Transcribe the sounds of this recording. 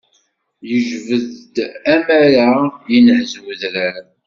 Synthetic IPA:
jəʒvəðd̪æmæɾajənʕəzwəðɾæɾ

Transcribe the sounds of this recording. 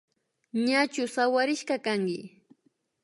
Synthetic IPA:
ɲat͡ʃʊsawaɾɪʃkɑkaŋkɪ̰

